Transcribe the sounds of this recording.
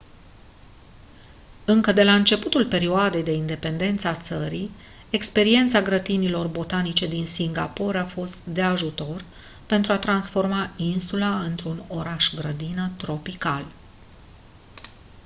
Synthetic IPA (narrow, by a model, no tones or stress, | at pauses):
ɨŋkəd̪e̞laɨnt͡ʃe̞put̪ulpe̞ɾioad̪e̞jd̪e̞ind̪e̞pe̞nd̪e̞nt̪səat̪səɾi | e̞kspe̞ɾie̞nt̪saɡɾət̪inilo̞rbo̞t̪anit͡ʃe̞d̪insiŋɡapo̞ɾafo̞st̪d̪e̞aʒut̪o̞r | pe̞nt̪ɾuat̪ɾansfo̞rmainsulaɨnt̪ɾuno̞ɾaʃɡɾəd̪inət̪ɾo̞pikal